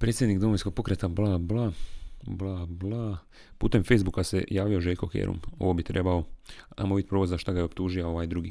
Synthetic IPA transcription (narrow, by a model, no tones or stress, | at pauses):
pɾet̪ʲje̞d̪nikd̪omojnsko̞ɡ̚po̞kɾet̪ablˠablablˠablˠa | pṵːt̪e̞mfe̞jzbukasḛjaːʋio̞ʒeʎʲko̞kḛɾṵmo̞̰ʋobit̪ɾʔe̞ːbao̞a̰mobit̪̚ʲpɾoʋozaʃt̪aɡajeo̞pt̪uːʒijao̞ʋajd̪ɾuɡi